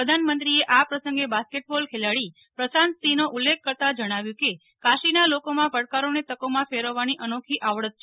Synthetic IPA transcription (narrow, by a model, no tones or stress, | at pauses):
əd̪ʱanmənt̪ɾieʔapɾəsəŋɡebaskeʈ̚bolkʰelaɭi | pɾəsanst̪inoʔulːekʰːəɾt̪ad͡ʒəɽ̃aʋjũke | kaʃinalokomãpəɽkaɾonet̪əkomãfeɾəʋːaniʔənokʰiʔaʋɭət̪̚t͡ʃʰ